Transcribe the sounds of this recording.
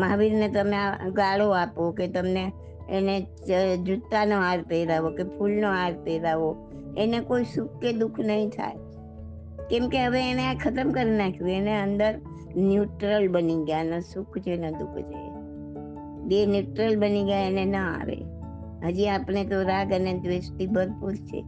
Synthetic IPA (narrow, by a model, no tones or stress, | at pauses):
maʋiɾnet̪əmẽaɡaɭoapoket̪əmneː | ne | d͡ʒut̪ːanoaɾpeɾaʋokepʰulnoaɾpeɾaʋo | enekoisʊkʰked̪ukʰnəɦĩt̪ʰa̰e | kɛ̃mkeɦəʋeːneakʰət̪əmkəɾinakʰjũeneənd̪əɾ | njuʈɾəlbəniɡjanəsukʰd͡ʒʰened̪ukʰd͡ʒa̰e | benjuʈɾəlbəniɡjaenenəa̰ʋḛ | ɦəd͡ʒiapnet̪oɾaɡəned̪ʋest̪ibəɾpuɾt͡ʃʰḛ